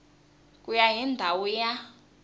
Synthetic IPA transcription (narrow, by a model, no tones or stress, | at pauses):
kʼujaɦindʱawuja